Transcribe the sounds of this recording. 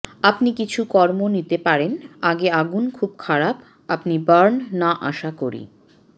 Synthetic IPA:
apnikit͡ɕʰukɔɾmonit̪epaɾenaɡeaɡunkʰubkʰaɾap | apnibaɾnːaʔa̰ʃakoɾḭ

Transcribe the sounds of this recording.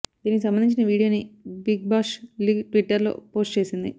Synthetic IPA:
d̪iːnikis̬ɐmbɐnd̪iɲt͡ʃ̬inɐʋiːɽijo̞ːnibiɡ̚baːʂliʈʋiʈːɐɾlo̞̰ːpo̞ːsʈt͡ʃe̞ːsind̪ḭ

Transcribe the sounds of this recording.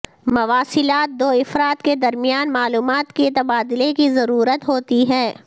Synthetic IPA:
mɐʋaːsɪlaːt̪̚d̪oːɪfɾaːt̪ked̪ɐɾmɪjaːnmaːluːmaːt̪ket̪ɐbaːd̪ɪlekizɐɾuːɾət̪ɦoːt̪iɦɛː

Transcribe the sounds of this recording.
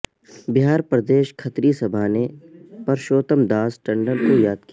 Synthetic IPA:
bɪɦaːɾpɾɐd̪eːʃkʰɐt̪ɾisɐbʱaːnepɐɾʃoːt̪əmd̪aːsʈɐ̃ɳɖəɾkojaːd̪̚ki

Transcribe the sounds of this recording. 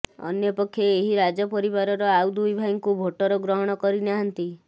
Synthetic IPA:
ɔ̰njɔpɔkʰːjeeɦiɾad͡ʒɔpɔɾiβaɾɔɾɔawd̪ujbʱajŋkubʱoʈɔɾɔɡɾɔɦɔɽ̃ɔkɔɾinaɦant̪i

